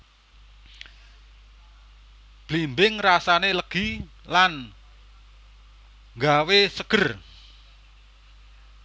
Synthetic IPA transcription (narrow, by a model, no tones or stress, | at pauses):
b̥limbɪŋrasaneləɡ̥i̤ | lan | ŋɡawesəɡ̥ə̤r